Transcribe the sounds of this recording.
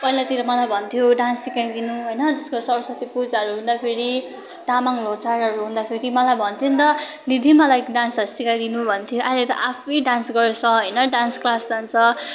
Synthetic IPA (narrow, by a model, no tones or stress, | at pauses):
pʌɦilat̪iɾʌmʌlajbʱʌnt̪ʰjoɖãnsːikajd̪inuɦojnʌd͡zʌskosʌɾsʌt̪ipud͡zaɦʌɾuɦũnd̪apʰeɾi | ʈamaŋlosaɾʌɾuɦũnd̪apʰeɾimʌlajbʱʌnt̪ʰint̪ʌ | nid̪ʱimʌlajɖãnsʌɾusikajd̪inubʱʌnt̪ʰjoʔaɦilet̪ʌ̰ʔapʰijɖansɡʌɾesʰʌɦʌjnʌɖansklasd͡zant͡sʰʌ